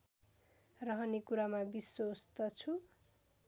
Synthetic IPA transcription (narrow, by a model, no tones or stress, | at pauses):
rʌɦʌnikuɾamabiswost̪ʌt͡sʰu